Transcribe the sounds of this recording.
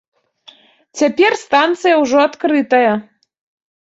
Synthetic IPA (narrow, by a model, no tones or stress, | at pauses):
t͡sʲapʲerst̪ant̪sɨjɐwʐɔɐt̪kɾɨt̪ɐjɐ